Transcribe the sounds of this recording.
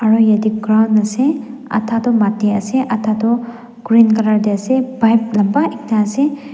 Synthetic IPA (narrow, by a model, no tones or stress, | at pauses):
aɾɔjadik̚ɡɾawndɐseɐ̰tʰatɔmatːeɐseʔatʰadɔ | ɡ̥ɾinkɐɾaɾdeɐsebajp̚lɐmbaʔik̚naːse